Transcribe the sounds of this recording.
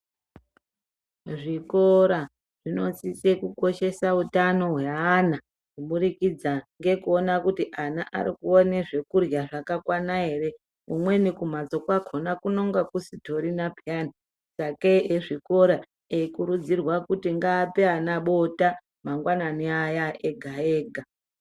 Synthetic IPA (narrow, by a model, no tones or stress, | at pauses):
ʐikoɾa | ʐ̥ino̞sisekuko̞ʃe̞sautano̞ɦweana | kuɓuɾikid͡zaŋɡe̞kuonakutiʔanaʔa̰ɾikuone̞ʐe̞kurjaʐakakwanaɦe̞ɾe̞ | umwe̞nikumat͡so̞kwakʰonakuno̞ŋɡakusitʰo̞ɾinapjani | sakeeʐiko̞ɾa | ekuɾud͡zirwakutiŋɡaːpeanaɓota | maŋɡwananiajaeɡʱaeːɡʱa